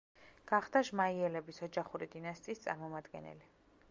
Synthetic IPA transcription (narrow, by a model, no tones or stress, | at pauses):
ɡ̥aχd̪aʒmaiɛlɛbisɔd͡ʒaχuɾid̪inast̪ʼiːst̪sʼa̰ɾmɔmad̪ɡɛ̰nɛ̰li